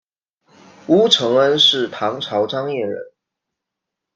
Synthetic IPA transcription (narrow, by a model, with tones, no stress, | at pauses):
u˥ʈ͡ʂʰɤ˧˥ŋə˦nʂɻ̩˥˩t̪ʰɑ˧˥ŋʈ͡ʂʰɑ˧˥ʊʈ͡ʂɑ˥ŋjɛ˥˩ɻə̰˧˦n